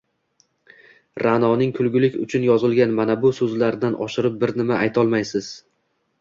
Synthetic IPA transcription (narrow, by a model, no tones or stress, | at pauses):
ɾanɒnɪŋkʰʊlˠɡʲʊlɪkʲʊ̰t͡ʃʰʊnjɒzɪlɡʲanmanabʊsɵzlaɾd̪anʔɒ̰ʃɪɾɪp̚bɪɾnɪmaʔajt̪ʰɒlˠmajsɪz̥